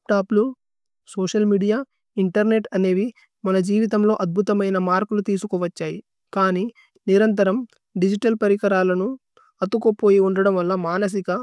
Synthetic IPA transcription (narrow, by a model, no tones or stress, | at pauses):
pʈaːplu | soːʂɐlmiːɽijaː | iɳʈɐɾne̞ʈɐne̞ːʋi | mɐnɐd͡ʒiːʋit̪̬ɐmlo̞ːʔɐd̪̚bʱut̪ɐmɐjnɐmaːɾkulut̪iːsukɔːʋɐt͡ʃːaːji | kaːni | niɾɐnt̪̬ɐɾɐm | ɖid͡ʒiʈɐlpɐɾikɐɾaːlɐnu | ɐt̪ːukoːpo̞ːjiuɳɖɐɽɐmʋɐlːɐmaːnɐs̬ikɐ